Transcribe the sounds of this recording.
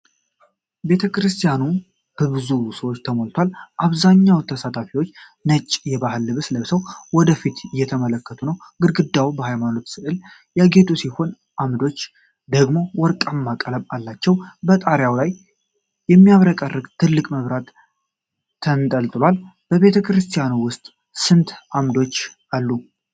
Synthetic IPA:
be̞t̪ʰəkɨɾɨst̪ʰijanu | hb̥ɨβɨzusəwot͡ʃːt̪ʰəmolt̪ʰwalʔaβzaɲːawt̪ʰəsat̪ʰafiwot͡ʃː | nət͡ʃʼːjɛbahɨlːɨβsləβsəwwɔd̪əfit̪ɨjːɛt̪ʰəmələkːət̪ʰunəwɡɨd̪ɡɨd̪ːawbəhajmano̞t̪sɨʔɨl | jaɡet̪ʰʼusiho̞n | ʔamd̪o̞t͡ʃː | d̪əɡmo̞wɔɾkʼamːakʼələmalːat͡ʃːɛwbət̪ʼaɾjawlaj | jɛmːijaβɾəkʼərːɨɡt̪ʰɨlːɨkʼməβɾat̪ | ənt̪ʼəlt̪ʼlwalb̥əβe̞t̪ʰəkɾɨst̪ʰijanuwʊst̪ʼ | sɨnt̪amd̪o̞t͡ʃː | alːu

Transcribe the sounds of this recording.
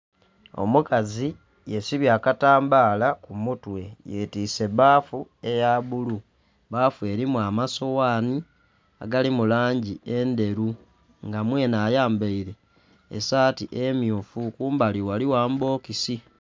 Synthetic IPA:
o̞̰mukazi | jesiβjaːkataːmbaːlakumutwe̞jetiːse̞βaːfue̞jaβulu | baːfue̞ɾimwamaso̞waːni | a̰ɡalimulaːɲɟie̞nde̞ɾu | ŋɡamweːnaːjaːmbeiɾe̞ | ḛsaːtiʔemjufukuːmbaliwaliwaːmbo̞ːkisi

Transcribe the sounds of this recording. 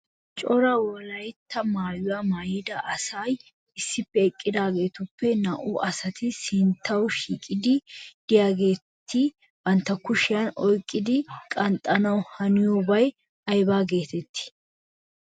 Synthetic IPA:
t͡ʃʼɔɾɐwɔlɐjt̪ːɐmaːjʊwaːmaːjɪd̪ɐʔɐsaj | ɪsːɪpːɛːkʼːɪd̪aːɡe̞ːt̪ʊpːɛnɐʔʊʔɐsɐt̪ɪsɪnt̪ːɐwʃiːkʼɪd̪ɪd̪̥ɪjaːɡe̞ː | t̪ʰːɪ | b̥ɐnt̪ːɐkʊʃɪjɐnɔjkʼːɪd̪ɪkʼɐnt̪ʼːɐnɐwhɐnɪjɔbɐj | ʔɐjbaːɡe̞ːt̪ɛt̪ːɪ̥

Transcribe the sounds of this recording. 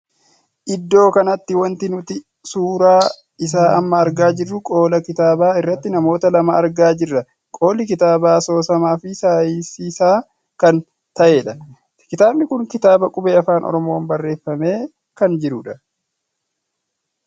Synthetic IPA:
ʔɪd̪ːo̞ːkɐnɐt̪ːɪwɐnt̪ɪnʊt̪ɪ | suːɾaː | ɪsaːʔɐmːɐːɾɡaːd͡ʒɪrːʊkʼo̞ːlɐkɪt̪aːbaːɪrːɐt̪ːɪnɐmo̞ːt̪ɐlɐmaɐɾɡaːd͡ʒɪrːɐ | kʼo̞ːlɪkɪt̪aːbaːso̞ːsɐmaːfɪsaːjɪsiːsaː | kɐn | t̪ɐʔe̞ːᶑɐ | kɪt̪aːbnɪkʊŋkɪt̪aːbɐkʼʊbeːɐfaːnʔɔ̰ɾɔmo̞ːnbɐrːe̞ːfːɐme̞ː | kɐnd͡ʒɪɾʊᶑɐ

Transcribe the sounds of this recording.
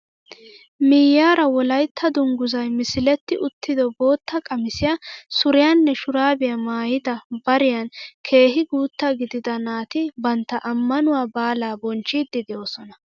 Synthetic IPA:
mɪjːaːɾɐwɔlɐjt̪ʰːɐd̪ʊŋɡʊzɐjmɪsɪlɛt̪ːɪʔʊt̪ːɪd̪ɔbo̞ːt̪ːɐkʼɐmɪsɪjɐsʊɾɪjanːɛʃʊɾaːbɪjɐmaːjɪd̪ɐbɐɾɪjɐnkʰe̞ːɦɪɡuːt̪ːaɡɪd̪ɪd̪ɐnaːt̪ɪbɐnt̪ːɐʔɐmːɐnʊwaːbaːlaːbɔnt͡ʃːiːd̪ːɪd̪jo̞ːsɔnɐ

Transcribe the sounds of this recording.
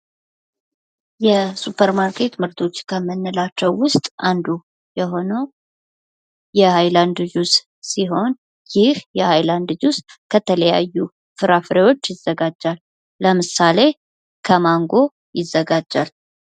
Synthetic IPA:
jɛsupʰəɾmaɾkʰe̞t̪mɨɾt̪ʰo̞t͡ʃːkʰəmənːəlat͡ʃːɛwːʊst̪ʼand̪u | jɛɦo̞no | jɛhajland̪ɨd͡ʒus | siɦo̞n | jɪhjɛhajland̪d͡ʒuskʰət̪ʰələja̰jːu | fɨɾafɨɾewo̞t͡ʃːjɪzːəɡad͡ʒːalː | əmɨsale̞ | kʰəmaŋɡo̞ | jɪzːəɡad͡ʒːal

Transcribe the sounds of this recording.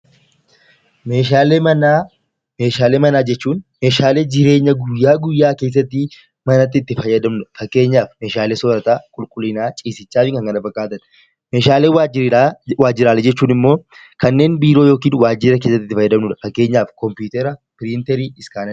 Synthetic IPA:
meːʃ̬aːlemɐnaː | meːʃaːleːmɐnaːd͡ʒɛt͡ʃːuːnme̞ːʃaːle̞ːd͡ʒɪɾe̞ːɲːɐɡʊjːaːɡʊjːaːke̞ːs̬ːɐt̪ːɪ | mɐnɐt̪ːɪːt̪ːɪfɐjːɐd̪ɐmnʊᶑɐfɐkːe̞ːɲːaːfme̞ːʃaːleːsɔːɾɐt̪aːkʼʊlkʼʊlːɪnaːt͡ʃʼiːsɪt͡ʃːaːfɪŋkɐŋɡɐnɐfɐkʼːaːt̪ɐn | meːʃaːleːwaɪwaːd͡ʒːɪɾaːlɛd͡ʒɛt͡ʃːuːnɪmːo̞ː | kɐnːe̞ːnbiːɾoːjo̞ːkiːnwaːd͡ʒːɪɾɐk̬e̞ːsːɐt̪ːɪt̪ːɪfɐjːɐd̪ɐmnʊᶑ̪ɐ̥fɐkːe̞ːɲːaːfkɔmpjuːt̪ɛɾɐpɪɾɪnt̪ɛɾiːɪskaːnɐ

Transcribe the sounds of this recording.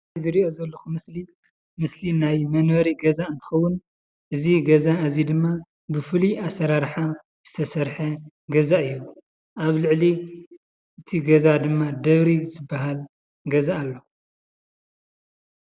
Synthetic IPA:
zɨɾiʔo̞zɐlːoxumɨsli | mɨslinajmɐnwɐɾiɡɐzaɨnt̪ʰɨ̥xɐwːʊn | ʔɨziɡɐzaɨzid̪ɨmːa | bɨfɨliʔasɐɾaɾħa | z̥ɨt̪ʰɐsɐɾħɐ | ɡɐzaʔɨjːu | ʔaβlɨʕli | ʔɨt̪ʰiɡɐzad̪ɨmːad̪ɐβɾizɨbːaɦal | ɡɐzaːlːo̞

